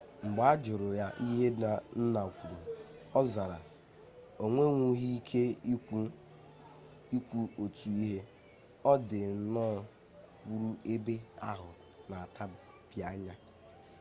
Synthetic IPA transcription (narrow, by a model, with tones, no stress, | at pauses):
ŋ͡m̩˨ɡ͡ba˦a˦d͡ʒʊ˨ɾʊ˨ja˦ʔi˦ɦe˦na˨n̩˦na˨kʷu˨ɾo˨ɔ˦za˨ɾa˨ | o˨ŋʷe˦ŋʷu˦ɦi˦kʰe˦ | i˦kʷu˦o˨tu˨i˦ɦe˦ | ɔ˦dɪ˨˦nɔ˦ | ku˦ɾu˦e˦be˦a˦ɦʊ˨ | na˨a˨tʰa˦ | b̥ja˦ɲa˦